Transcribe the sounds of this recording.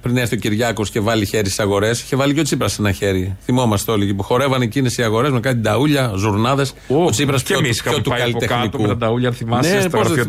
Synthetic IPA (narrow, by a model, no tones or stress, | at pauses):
pɾineɾθio̞ciɾʝɐko̞sce̞vɐliçeɾissɐɣo̞ɾe̞sçevɐlicot͡sipɾɐsenɐçe̞ɾiθimo̞mɐst̪eo̞liecipuxo̞ɾe̞vɐnecinesiɐɣo̞ɾe̞zmekɐt̪id̪ɐuʎɐzuɾnɐðe̞s | ot͡sipɾɐsosɐot̪ukɐlit̪enik̪ut̪ɐd̪ɐuʎɐnθimɐnesos